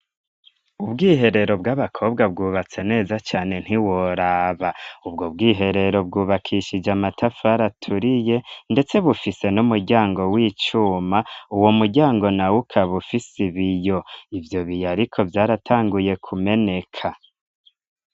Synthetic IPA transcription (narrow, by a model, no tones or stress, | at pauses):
ubɡiːɦe̞ɾe̞ɾo̞bɡaβakʰo̞ːbɡab̚ɡuːβat͡se̞ne̞ːzat͡ʃaːne̞n̥hiwo̞ɾaːβaubɡobɡiːɦe̞ɾe̞ɾo̞bɡuːβakʰiʃid͡ʒamatʰafaɾatʰuɾije̞nde̞t͡se̞βufise̞numuɾɟaːŋɡo̞wiːt͡ʃuːmauwomuɾɟaːŋɡo̞nawukʰaβufisiβijo̞ivjo̞βijaɾikʰo̞vjaːɾatʰaːŋɡuje̞kʰume̞ne̞kʰa